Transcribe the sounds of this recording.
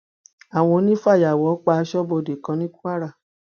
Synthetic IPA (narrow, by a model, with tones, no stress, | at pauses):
a˨w̃ɔ̃˧˦nĩ˦fa˦˨ja˨wɔ˨˦k͡pa˧ʃɔ˦bo˧˨de˨kã˨˧˦nĩ˦ku˦a˦ɾa˦˨